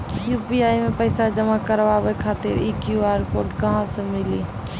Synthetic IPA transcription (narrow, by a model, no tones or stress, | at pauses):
jupiajmepəɪsad͡ʒəmakəɾbabɛkʰat̪ḭɾikjuaɾkoɾʈɡaɦãsə̃mili